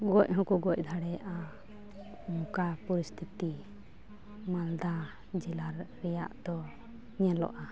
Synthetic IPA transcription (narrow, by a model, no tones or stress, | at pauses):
ɡɔc̚ɦɔ̃kɔɡɔc̚ˀd̪ʱaɽɛjaʔa | mukapɔɾist̪ʰit̪i | mald̪a | d͡ʒɛlaɾːɛja̰ʔd̪̥ɔ | ɲɛlɔ̰ʔa